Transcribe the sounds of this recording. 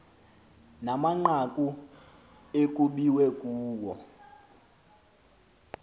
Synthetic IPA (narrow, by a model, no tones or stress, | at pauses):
namaŋ͡ǃakʼu | ekʼuɓiwɛkʼuːwɔ